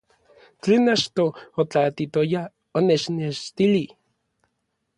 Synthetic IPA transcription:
t͡ɬeːnat͡ʃt̪oot͡ɬat̪it̪oja | onet͡ʃneʃt̪ili

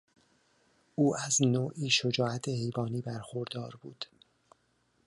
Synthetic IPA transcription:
ʔuːæznoːʔiːʃod͡ʒɒːæt̪ʰehe̞jbɒːniːbæɾxoɾd̪ɒːɾbuːd̪̥

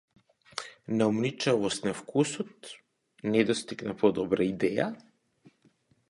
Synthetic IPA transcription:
naumnit͡ʃavɔst̪nafkʰusɔt̪̚ | nɛd̪ɔst̪iɡnapɔd̪ɔbɾaid̪ɛja

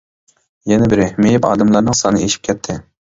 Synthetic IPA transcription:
jɛnɛbɪɾɪhmejɪpɑ̰ːd̪ɛmlˠɑɾnɨŋsɑnɨeʃi̥p̚kʲʰɛt̪ʰːɪ

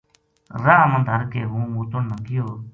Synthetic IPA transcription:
ɾaːɦmənd̪ʱəɾkeːɦũːmuːt̪onnəkɪjoː

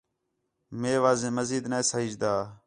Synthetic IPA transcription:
meːʋaːzẽːməziːd̪neːsəɪd͡ʒd̪aː

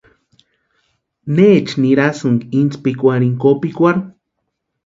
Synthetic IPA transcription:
net͡ʃniɾasɨŋɡint͡spikʷaɾiŋkopikʷaɾu

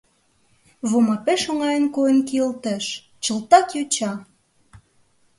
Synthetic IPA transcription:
βomɑpeʃoŋɑjənkojənkiəlt̪əʃ | t͡ɕəlt̪ɑkjot͡ɕɑ

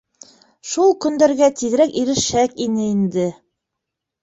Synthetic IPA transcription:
ʃulˠkɵ̆nd̪æɾɡæt̪iɣɘ̆ɾækiɾɘ̆ʃækinɘind̪ɘ

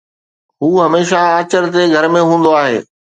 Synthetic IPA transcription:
ɦuːɦɐmeːʃaaːt͡ɕəɾt̪̬eɡʱɐɾmẽɦũːn̆d̪oaːɦḛː

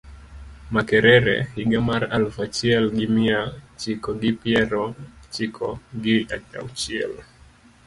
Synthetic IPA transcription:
makɛɾɛɾɛ̰hiɡamaɾalfat͡ʃiɛlɡimiat͡ʃikɔɡipiɛɾɔt͡ʃikʰɔɡiaa̰wt͡ʃiɛ̰l

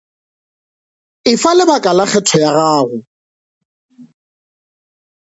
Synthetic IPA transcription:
ɪfalɪbakʼalaχɛtʰɔjaɣaːɣʊ

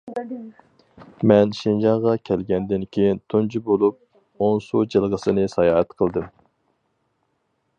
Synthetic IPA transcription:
mɛnʃind͡ʒɑɴʁɑkʲʰɛlɡʲɛnd̪ɪnkʲʰejint̪ʰund͡ʒibolˠup̚ | onsud͡ʒɨlˠʁəsɨnɨsɑjɑːɦɛt̪qʰəlˠd̪ɨm

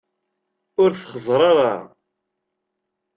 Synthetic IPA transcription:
ʊɾθχəzˤɾˤɑɾˤɑ

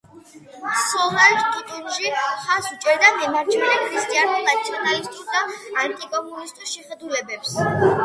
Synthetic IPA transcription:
sɔlaɾkʼit̪ʼunʃiχasut͡ʃʼɛɾd̪ad̪ɛmaɾt͡ʃʰɛɾɛkʰɾist̪ʼianuɾnat̪sʰiɔnalist̪ʼusd̪aant̪ʼikʼɔmɔlist̪ʼuʃɛχɛd̪ulɛbɛps

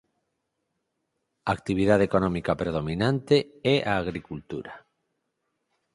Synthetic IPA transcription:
aːk̚t̪iβ̞iðaðekonɔmikapɾeð̞omĩnãnt̪eɛʔaːɣɾikult̪uɾa

